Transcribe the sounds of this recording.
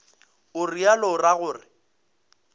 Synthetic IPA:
ʊrialɔraɣʊːrɪ

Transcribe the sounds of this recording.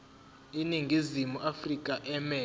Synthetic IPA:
iniŋɡʱizimuʔafrikʼaʔɛmɛː

